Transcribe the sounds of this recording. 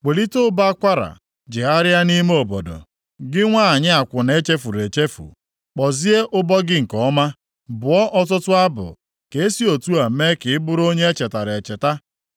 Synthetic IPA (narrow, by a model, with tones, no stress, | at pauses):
k͡pe˨li˦to˦ba˦kʷa˦ɾa̰˨ | d͡ʒɪ˨a˦ɾja˦ni˦me˦o˨bo˨do̰˨ | ɡɪ˦ŋʷa˦a˨ɲɪ˦a˨kʷʊ˨ne˦t͡ʃe˦fu˨ɾe˨t͡ʃe˦fṵ˨ | k͡pɔ˨zi˦e˦ʔʊ˦bɔ˦ɡɪ˦ŋ̩˨kɔ˦ma˦ | bʊ˨ɔ˦ʔɔ˦tʊ˦tʊ˦a˦bʊ̰˨ | ke˨e˦si˦o˨tu˦a˨˦me˦kɪ˨ɪ˦bʊ˦ɾo˦ɲe˦e˦t͡ʃe˨ta˨ɾe˨t͡ʃe˨ta˦